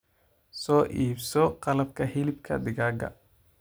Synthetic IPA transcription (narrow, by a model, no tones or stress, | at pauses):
sɔːʔiːbsɔqɑlɐb̚kʰɐhɪlɪbkʰɐ̰d̪ɪɣaːɡɐ̰